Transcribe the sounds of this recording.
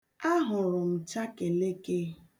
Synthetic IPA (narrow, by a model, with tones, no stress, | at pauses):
a˦ɦʊ˨ɾʊ˨m̩˨t͡ʃa˦ke˨le˦ke˦